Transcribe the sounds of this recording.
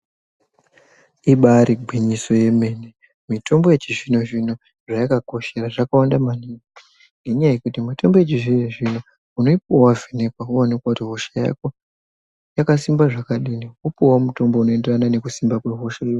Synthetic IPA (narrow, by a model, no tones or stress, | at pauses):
iɓaɾiɡʱiɲiso̞je̞me̞ne | mito̞mbo̞je̞t͡ʃiʐinoʐino | ʐajakako̞ʃe̞raʐakawandamaniːŋa | ŋɡe̞ɲajajekutimito̞mbo̞jet͡ʃiʐineʐino | unoipuwavʱene̞kwauanekwakutiɦoʃaja̰ko̞ | jakasimbaʐakaɗiniupuwamuto̞mbo̞uno̞enderanane̞kusimbakwe̞ɦoʃaiwo